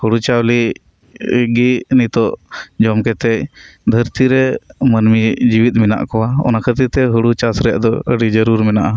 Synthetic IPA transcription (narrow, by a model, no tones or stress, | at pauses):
huɽut͡ʃawli | ɡinit̪ɔʔd͡ʒɔmkɛt̪ɛcd̪ʱəɾt̪iɾɛmənmid͡ʒiwit̪̚ˀmɛna̰ʔkɔwaɔ̰nakʰət̪it̪ɛɦuɽut͡ʃasɾɛja̰ʔd̪ɔəɖid͡ʒəɾuɾmɛnaʔa